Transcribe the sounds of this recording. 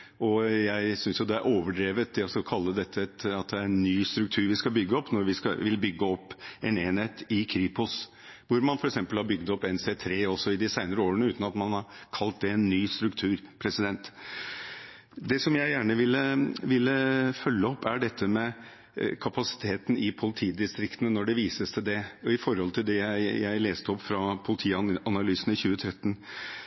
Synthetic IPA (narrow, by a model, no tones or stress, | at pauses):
ɔjæɪsʏnsjʊd̪ɛæɾʔoːʋəɖɾeːʋət̪ɪɔsɔkʰɑlːəd̪ɛt̪ʰːəɛt̪ɑt̪̚d̪ɛæɾɛnnːyːst̪ɾʉk̚t̪ʰʉːɾʋɪskɑlbʏɡːəɔpːnɔɾʋɪskɑ̰ʋɪlbʏɡːəɔpːɛneːnheːt̪ɪkʰɾiːpɔs | ʋʊɾmɑnfɔɾɛksɛmpəlhɑɾbʏɡd̪ɔpːɛnseːt̪ʰɾeːɔsɔɪd̪ɪsæɪnəɾəoːɾənəʉːt̪n̩ɑt̪mɑnhɑɾkʰɑlt̪̚d̪ɛɛnːyːst̪ɾʉkt̪ʰʉːɾpʰɾɛsɪd̪ɛnt̪ | d̪ɛsɔmjæɪjæːɳəʋɪlːəʋɪlːəfœlːəɔpːæɖɛt̪ʰːəmɛ | kʰɑpɑsɪ̥t̪ʰeːt̪n̩ɪpʰʊlɪt̪ʰiːd̪ɪst̪ɾɪkt̪ənənɔɖɛʋiːsəst̪əd̪ɛɔɪfɔɾhɔlt̪ʰɪld̪ɛjæɪjæɪleːst̪əɔpːfɾɑpʰʊlɪt̪ʰiːɑnɑlyːsn̩ɪçʉːət̪ʰɾɛt̪ːn̩